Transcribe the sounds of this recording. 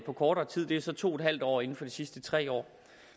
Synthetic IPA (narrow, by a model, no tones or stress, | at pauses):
pʰɒ̽kʰɒːɾɐːt͡sʰið̰ˠd̥e̝æɐsɒ̽t͡sʰo̝ːed̥ɦæl̰d̥ɒ̰ːe̝n̩fɒ̽d̥isisd̥ət͡sʰʁɛ̰ːɒ̰ː